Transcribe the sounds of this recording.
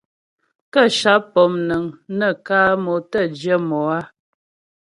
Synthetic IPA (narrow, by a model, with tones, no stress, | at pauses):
kə˦ʃa˨˦pɔ˨mnə˨ŋnə˦˨kaː˦mo˨tə˦˨d͡ʒjə˦mɔ˨a˦